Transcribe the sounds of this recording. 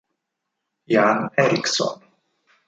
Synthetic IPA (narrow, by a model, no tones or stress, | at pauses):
janɛɾiksɔ̰n